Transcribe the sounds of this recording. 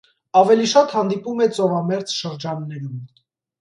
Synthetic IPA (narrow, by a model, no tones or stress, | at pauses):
ɑvɛliʃɑt̪hɑnd̪ipumɛt͡sɔvɑmɛɾt͡sʃəɾd͡ʒɑnːɛɾum